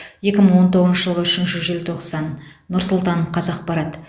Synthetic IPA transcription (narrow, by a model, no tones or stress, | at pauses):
je̞kʲɪməɴwo̞nt̪ʰoʁəzʃəʒəlˠʁəʏʃɪnʃɪʒelut̪ʰo̞qsɑnːʊɾsʊlˠt̪ɑɴqʰɑzɑq̚bɑɾɑt̪